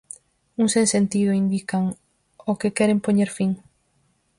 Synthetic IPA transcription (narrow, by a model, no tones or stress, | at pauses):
uŋsensent̪ið̞oind̪ikaŋ | okekɛɾempoɲeɾfiŋ